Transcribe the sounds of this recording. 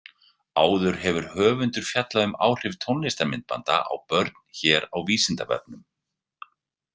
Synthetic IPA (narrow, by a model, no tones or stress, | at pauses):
aːwðʏɾ̥ɦɛvʏɾ̥hœːvʏnt̪ʏɾ̥fjat̪laðʏma̰ːwr̥ɪvt̪ʰɔwnlɪst̪amɪnt̪̚pa̰nt̪a̰ʔa̰wpœɾt̪n̥çɛːɾawviːsɪnt̪avɛ̰p̚nʏm